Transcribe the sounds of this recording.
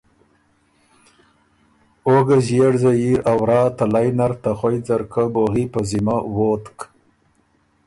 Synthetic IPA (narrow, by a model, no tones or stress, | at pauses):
oɡazjeɽzajiʔawɾɑːt̪alajnaɾt̪axojd͡zaɾkəboɣipəzimawot̪k